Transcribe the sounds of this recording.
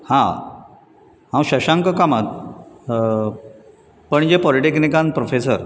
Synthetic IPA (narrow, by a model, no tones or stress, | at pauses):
hã | hãwɕəɕãŋkəkamat̪̚ | pəɳd͡ʑepɔliʈeknikãnpɾofesəɾ